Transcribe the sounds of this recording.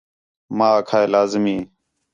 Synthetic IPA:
mãːəkʰaːeːlaːzmiː

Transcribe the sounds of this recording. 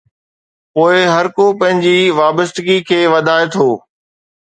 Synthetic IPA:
poːɪɦɐɾkopɐ̃ɦɪ̃ɲd͡ʑiʋaːbəst̪ɪɡikʰeːʋɐd̪ʱaːẽt̪ʰoː

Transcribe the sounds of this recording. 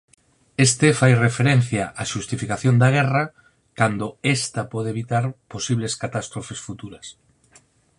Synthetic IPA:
est̪efajrefeɾen̟θjaʔaʃust̪ifikaθjond̪aɣ̞ɛra | kand̪oest̪apɔðeβit̪aɾposiβleskat̪ast̪ɾofesfut̪uɾɐs

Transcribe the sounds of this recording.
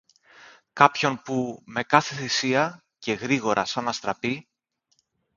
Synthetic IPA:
kɐpço̞npume̞kɐθe̞θisiɐ | ce̞ɣɾiɣo̞ɾʔɐ̰sɐnɐst̪ɾɐpi

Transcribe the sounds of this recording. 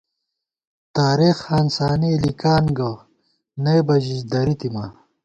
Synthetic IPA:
t̪aːɾixaːnsaːnilikaːnɡɐ | nejbɐʑiɕd̪ɐɾit̪ima̰

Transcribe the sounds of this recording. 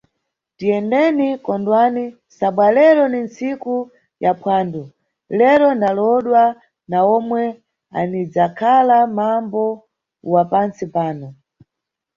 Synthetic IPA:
tijɛndɛnikɔndwani | saɓwalɛɾɔninsiku | japwaːndɔ | lɛɾɔnalɔɗwa | naɔmwɛ | a̰nid͡zakʰalamambɔ | wapant͡sipaːnɔ

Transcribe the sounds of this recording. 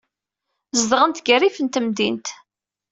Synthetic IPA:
zəðʁənt̪ɡərifənt̪əmd̪int̪

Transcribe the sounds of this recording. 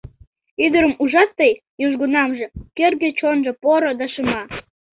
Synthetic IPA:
yd̪əɾə̆muʒɑt̪ːej | joʒɡonɑmʒɤ̆kerɣet͡ɕonʒɤ̆poɾod̪ɑʃəmɑ

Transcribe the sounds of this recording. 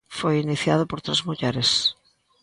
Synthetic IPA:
fojiniθjaðopoɾt̪ɾezmuʎɛɾes

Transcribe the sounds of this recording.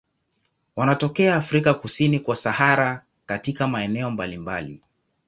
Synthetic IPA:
wanatɔkɛaːfɾikakusinikwasahaɾa | katikamaɛnɛɔmbalimba̰lḭ

